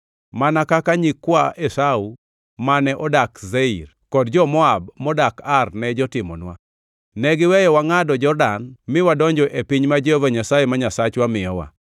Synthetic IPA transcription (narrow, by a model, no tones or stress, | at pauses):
manakakaɲikːwaesau | manɛʔɔdakzeir | kɔdd͡ʒɔmɔabmɔdakarnɛd͡ʒɔtɪmɔ̰nwa̰ | nɛɡɪwɛjɔwaŋadɔd͡ʒɔrdanmɪwadɔɲd͡ʒɔʔepiɲmad͡ʒeovaɲasajemaɲasat͡ʃwamɪjɔwa̰